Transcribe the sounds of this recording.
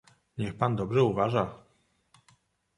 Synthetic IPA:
ɲɛxpand̪ɔbʐɛuvaʐa

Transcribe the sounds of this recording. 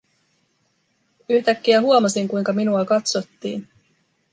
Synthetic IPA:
yçt̪ækːiæɦuomɑsiŋkujŋkɑminuɑkɑt̪so̞t̪ːḭːn

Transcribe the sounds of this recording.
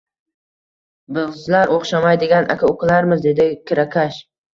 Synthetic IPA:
bɪzlaɾʔoχʃamajd̪ɪɡʲanʔa̰kʰʲaʊklaɾmɪzd̪e̞d̪ɪkʰʲɪɾakʲʰaʃ

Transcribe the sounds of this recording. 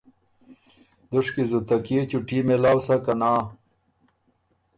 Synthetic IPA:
d̪uʂkizut̪ɐkiet͡ɕuʈimelaːwsakɐnaː

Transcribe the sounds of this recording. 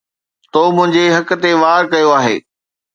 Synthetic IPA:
t̪oːmʊ̃ɦɪ̃ɲd͡ʑeɦɐk̆t̪eʋaːɾkɐjoaːɦḛː

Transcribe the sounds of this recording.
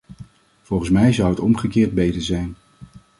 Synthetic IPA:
v̥ɔlˠχən̩smɛjzɑwətɔmχəkɪːɹd̚bejtəɹzɛjn

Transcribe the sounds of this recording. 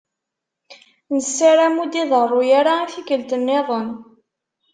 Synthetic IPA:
nəsːaɾæmud̪iðərˤːʊjaɾaːθiɡəlt̪ənːeðˤən

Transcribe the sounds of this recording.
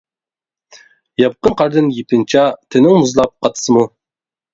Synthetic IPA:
jɑp̚qənqʰɑɾd̪ɨnjipɪnt͡ʃʰɑt̪ʰɪnɪŋmuzlˠɑp̚qʰɑt̪ʰɨ̥sɨmu

